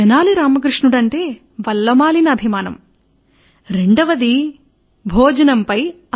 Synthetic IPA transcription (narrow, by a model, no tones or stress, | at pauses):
ɐnaːliɾaːmɐk̬ɾiʂɳuɽɐɳʈe̞ː | ʋɐlːɐmaːlinɐːbʱimaːnɐ̰m | ɾeɳɖɐʋɐd̪i | bʱoːd͡ʒɐnɐmpɐj | ɐ